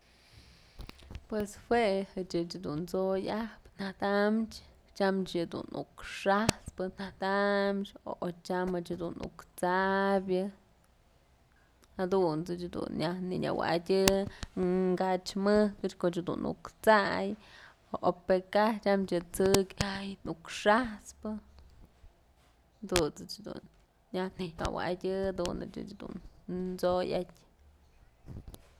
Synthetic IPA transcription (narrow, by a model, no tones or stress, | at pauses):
pweshwehɨt͡ʃɨt͡ʃd̪unt͡sojahpn̥aht̪amt͡ʃ | t͡ʃamt͡ʃjɨd̪ṵnṵkʂaspɨn̥aht̪amt͡ʃoʔot͡ʃamɨt͡ʃad̪unṵkt͡sabʲjɨ | had̪unt͡sɨt͡ʃd̪ṵnjahniɲʲa̰wa̰dʲɨ | ŋɡat͡ʃmɨhkɨt͡ʃkoʔt͡ʃhd̪ṵnṵkt͡saj | oʔopekat͡ʃamt͡ʃɨt͡sɨkʲajnukʂahspɨ | d̪unt͡sɨt͡ʃd̪ṵn | jahnia̰wa̰dʲɨad̪unɨ̰t͡ʃɨ̰t͡ʃd̪ṵnt͡sojatʲ